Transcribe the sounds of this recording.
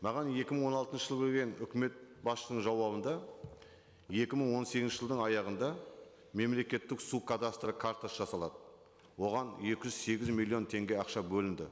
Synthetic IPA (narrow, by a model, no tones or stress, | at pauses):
mɑʁɑnje̞kʲɪməɴwo̞nɑlˠt̪ənʃəʒəlˠbelɡʲe̞nʏkʲɪme̞t̪̚bɑsʃənəɴʒɑwɑβənd̪ɑ | je̞kʲɪməɴwo̞nseɡʲɪnʃɪʒəlˠd̪əɴɑjɑʁənd̪ɑ | me̞mle̞kʲe̞t̪ːɪksukʰad̪ast̪ɾəkʰaɾt̪asʒɑsɑlˠɑd̪ə | wo̞ʁɑnje̞kʲɪʒʏzse̞ɡʲɪzmilʲˠːijo̞nt̪ʰe̞ŋɡʲe̞ɑqʃɑbɵlɪnd̪ɪ